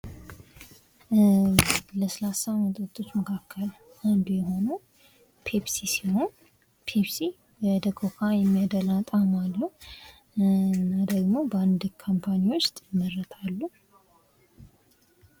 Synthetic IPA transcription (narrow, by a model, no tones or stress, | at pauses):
ləsəlasamət̪ʼt̪ʰʼːo̞t͡ʃːməkʰakːəl | and̪ujɛɦo̞nə | pʰepsisiho̞n | pʰepsi | wəd̪əɡʰokʰajɛmːijad̪əlat̪ʼamalːə | ɨnːad̪əɡmo̞bəand̪kʰampʰaniwʊst̪ʼjɪmːərːət̪ʰalːu